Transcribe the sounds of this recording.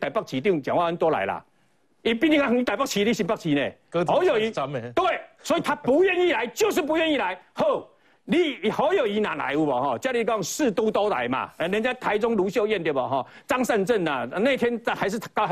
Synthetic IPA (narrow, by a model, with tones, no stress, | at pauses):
t̪a˨˩ɪpa˥˩k̚t͡ɕʰi˨˦t̪ji˥˧˨ŋt͡ɕjã˨ŋwa˥˧ə˦nt̪wɔ˥˧la̰˨˦ɪla̰˨ | i˧pi˥˧nĩ˧ŋa˥˩˨i˧˥t̪a˨˩pa˥˩k̚t͡ɕʰi˨˦li˧˩ɕi˨˩npa˥˩k̚t͡ɕʰi˨˦nḛ̃˨˩kho˨˧˦ʊjo˨˩i˨˧˦mt̪we˥˩ɪswɔ˨˥i˨t̪ʰa˦pu˨˦ɥɛ˥˧ni˥˨la˧˦ɪt͡ɕjo˥˧ʊʂ̬̩˥˨pu˧˦ɥɛ˥˧ni˥˨la˧˦ɪho˥˧˨ʊ | li˧˩˨ho˨˦jo˨˩i˨˦nã˨la̰˨˧˦ɪu˧˩bɔ˨˩hɔ˥˧˩t͡ɕja˦li˧˩kɔ˥˧˦ŋsɹ̩˥˧t̪u˥˩t̪ɔ˦ʊt̪a̰˨˦ɪma̰˨˧˩nə˧˦ŋt͡ɕja˦t̪ʰa˨˦ɪt͡sʊ˥˦ŋlu˨˧˦ɕ̬jo˥˧ʊjɛ˥˨nt̪jɛ˨˩bɔ̰˨˩ɦɔ˥˨˩ | t͡sa˦ŋsa˥˧nt͡sə˥˨na̰˨˩˧nã˥˧ɪt̪ʰjɛ˧˦n˧ha˨˧ɪʂ̬ɻ̩ʰ˥˩˨ka˧